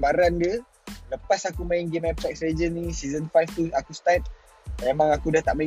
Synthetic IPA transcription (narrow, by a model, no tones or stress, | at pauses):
baɾandiə | ləpasakumãjiŋɡemɛp̚t̪ɛk̚sɾed͡ʒənːĩsizənfajft̪uakust̪at̪̚ | memãŋakudaht̪aʔmã